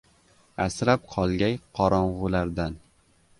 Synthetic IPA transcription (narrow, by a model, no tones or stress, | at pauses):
asɾap̚qʰɒlˠɡʲajqʰɒɾɒɴʁʊlaɾd̪an